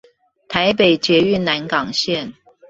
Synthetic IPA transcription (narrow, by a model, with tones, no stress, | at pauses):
t̪ʰa˧˦ɪpe˨˩ɪt͡ɕjɛ˧˥y˥˨nna˧˦˥nkɑ˨˩ŋɕjɛ˥˨n